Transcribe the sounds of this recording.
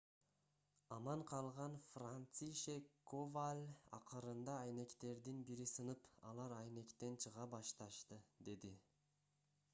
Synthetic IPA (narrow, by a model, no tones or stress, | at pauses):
ɑmɑɴqʰɑlˠʁɑnfrant̪siʃekːovalʲɑ̰qɯɾɯnd̪ɑːjne̞kt̪e̞ɾd̪inbiɾisɯnɯpɑ̰lˠɑɾɑjne̞kt̪e̞nt͡ʃʰɯʁɑbɑʃt̪ɑʃt̪ɯd̪e̞d̪i